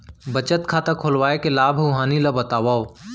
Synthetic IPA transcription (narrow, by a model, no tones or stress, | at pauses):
bət͡ʃət̪kʰaːt̪akʰolwaːekelaːbʱɾuɦaːnilɐbət̪aːʋaːoː